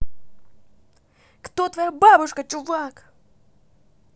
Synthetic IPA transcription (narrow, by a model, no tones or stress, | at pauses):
kt̪ot̪vɐjababʊʂkət͡ɕʊvak